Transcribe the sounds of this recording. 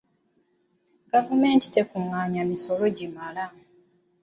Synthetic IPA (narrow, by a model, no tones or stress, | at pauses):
ɡavume̞ːnti̥te̞kuŋaːɲamiso̞lo̞ɟimala